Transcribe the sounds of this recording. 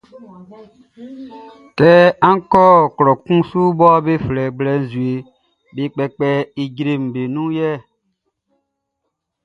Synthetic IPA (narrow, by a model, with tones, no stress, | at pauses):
tɛ˦ã˦ŋ˦kɔ˦˨klɔ˨kũ˦su˦bɔ˦be˦flɛ˨ɡ͡blɛ˨˦n̩˨zu˨e˨ | be˨˦k͡pɛ˨k͡pɛ˦i˨ɟɾe˨m̩˨be˨nũ˦jɛ˦